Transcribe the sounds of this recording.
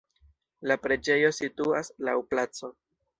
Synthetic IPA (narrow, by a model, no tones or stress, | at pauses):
lapɾe̞d͡ʒe̞jo̞situaslawplat͡so̞